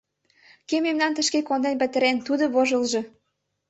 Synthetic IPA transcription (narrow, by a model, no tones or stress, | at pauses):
kememnɑnt̪ə̆ʃkekond̪enpə̆t̪ə̆ɾent̪ud̪oβoʒə̆lʒɤ̆